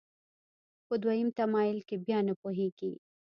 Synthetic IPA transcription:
pəd̪wajimt̪amɑjɪlkebjɑnapoɦeɡ̥i

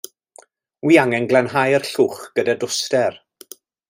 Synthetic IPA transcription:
wiːaŋɛnɡlˠɛnɦajərɬuːχɡ̥ədadʊstɛr

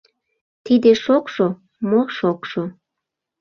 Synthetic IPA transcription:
t̪id̪eʃokʃo | moʃokʃo

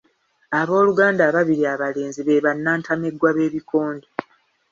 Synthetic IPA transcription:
aβo̞ːluɡaːndaːβaβiɾiaβale̞ːnziβe̞ːβanːaːntʰameɡwaβe̞ːβiko̞ːnde

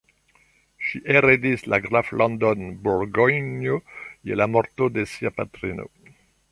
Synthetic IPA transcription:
ʃiʔeɾed̪islaɡɾaflʔɔ̃nd̪ɔnbuɾɡɔjnjojelamɔɾt̪od̪esiapat̪ɾino̰

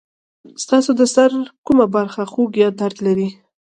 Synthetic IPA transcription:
st̪ɑsod̪əsaɾkumabaɾxaxoɡjɑd̪aɾd̪laɾi

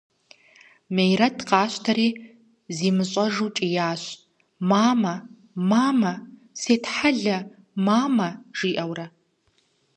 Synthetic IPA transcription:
mejrɐtʰqɑːɕtʰɐɾiː | ziːmɨɕʼɐʒut͡ʃʼijaːɕ | maːmɐ | maːmɐ | seːtħaɮɐ | maːmɐʒ̥iːʔɐwrɐ

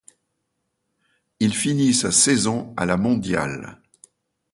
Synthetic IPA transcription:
ilfinisasɛzɔ̃a̰lamɔ̃d̪ja̰l

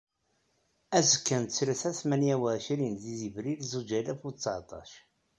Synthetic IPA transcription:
æzəkːənt̪t͡sːɾəθæθmænjæwəʃɾinðizivɾilzud͡ʒælæfut͡sːʕt̪ˤɑ̰ʃ

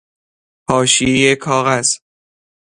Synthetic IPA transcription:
hɒːʃiejekʰɒːɣæz̥

